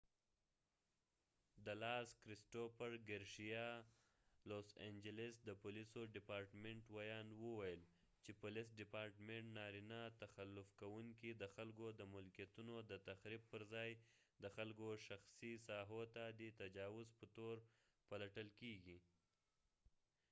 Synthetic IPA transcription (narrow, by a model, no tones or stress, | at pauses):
d̪əlɑskɾɪsʈofaɾɡaɾʃijɑ | losḛnd͡ʒɪlɪsd̪əpʊlisoɖɪpɑɾʈmeɳʈwajɑnwəwajəl | t͡ʃepʊlɪs̬ɖɪpɑɾʈmeɳʈnɑɾinat̪axalːʊfkawuŋkid̪əxalkod̪əmʊlkijat̪unod̪ət̪axɾib̚pəɾzɑj | d̪əxalkoʃaxsisɑɦot̪ad̪et̪ad͡ʒɑwʊzpət̪oɾ | palaʈəlkeɡi